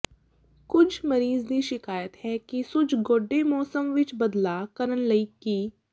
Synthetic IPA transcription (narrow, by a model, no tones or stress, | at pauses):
kʊt͡ʃʰməɾiːzd̪iːʃɪkaːjət̪ɦɛːkisʊt͡ʃɡoːɖːemɔːsəmʋɪt͡ʃbəd̪laːkəɾənləiːkiː